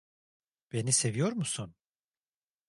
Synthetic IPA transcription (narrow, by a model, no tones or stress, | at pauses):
b̥e̞nise̞vijo̞ɾmusun